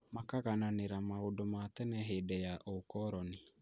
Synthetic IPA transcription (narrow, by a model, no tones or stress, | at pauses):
makaɣananeɾamaodomatɛnɛɦeːdɛjaʔokɔɾɔne